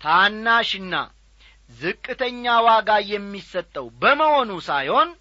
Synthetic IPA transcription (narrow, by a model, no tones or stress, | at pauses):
t̪ʰanːaʃɨnːa̰ | zɨkʼːɨt̪ʰəɲːawaɡajɛmːisət̪ʼːəwbəməho̞nusajho̞n